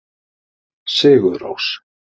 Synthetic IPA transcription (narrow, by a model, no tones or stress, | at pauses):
sɪːɣʏðɾo̰ws